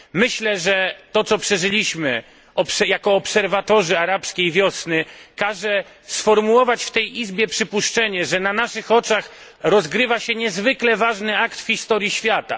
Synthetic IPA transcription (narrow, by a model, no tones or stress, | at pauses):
mɘɕlɛʐɛt̪ɔt̪sɔpʂɛʐɘlʲiɕmɘ | ɔpsɛjakɔːpsɛɾvat̪ɔʐɘaɾapskʲejvʲjɔsnɘkaʐɛ | sfɔɾmuwɔvat͡ɕft̪ɛjizbʲjɛpʂɘpuʂt͡ʂɛɲɛʐɛnanaʂɘxɔt͡ʂax | ɾɔzɡɾɘvaɕɛɲɛzvɘklɛvaʐnɘakt̪fxʲist̪ɔɾjiɕfʲjat̪a̰